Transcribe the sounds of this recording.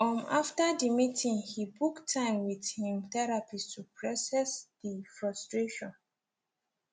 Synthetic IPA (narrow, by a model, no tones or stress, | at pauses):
ɔ̃naftadimitʰĩŋhibuktʰãɪ̃mwiðhĩmθɛɹapistʰupʰɹɔsɛsdifɹɔstɹeʃɔ̃n